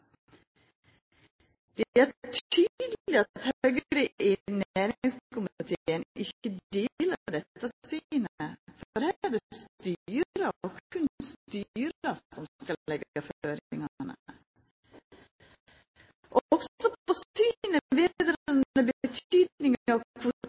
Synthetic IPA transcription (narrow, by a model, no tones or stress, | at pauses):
d̪̥ɛæɾt̪ʰyd̪l̩ɪɑt̪høɡəɾiʔɪnæːɾɪŋskʊmɑt̪ʰiənʔɪçəd̪eːləd̪ɛt̪ʰːɑsinəfɔɔɾhæd̪əst̪yːɾəɔkʰʉnst̪yːɾəsɔmkɑlɛɡɑføːɾɪŋɑnə | ʔɔɔksɔpɔsyːnəʋeːd̪ɾənnəbət̪ʰyːd̪nɪŋɑʋkʰʊ